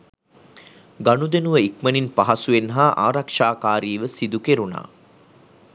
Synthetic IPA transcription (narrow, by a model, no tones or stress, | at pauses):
ɡanud̪enuʋəikməninpaɦasuʋenɦaʔa̰ːɾakʂaːkaːɾiːʋəsid̪ukeɾuna̰ː